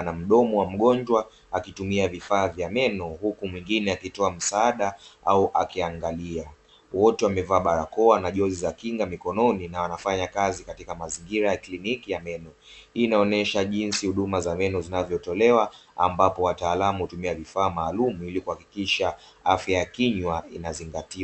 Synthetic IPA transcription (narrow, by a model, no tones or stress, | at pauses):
nam̩ɗɔmɔwam̩ɠɔnd͡ʒwa | akitumiavifaːvjamɛnɔhukumwiŋɡinɛakitɔam̩saaɗaauʔa̰kiaŋɡalia | wɔtɛwamɛvaːɓaɾakɔanaʄɔzizakiŋɡamikɔnɔninawanafaɲakazikatikamaziŋɡiɾajaklinikijamɛnɔ | hiːnaɔnɛʃaʄinsihuɗumazamɛnɔzinavjɔtɔlɛwaa̰mbapɔwataːlamuhutumiavifaːmaːlumuilikuhaki̥kiʃa | afjajakiɲwainaziŋɡatia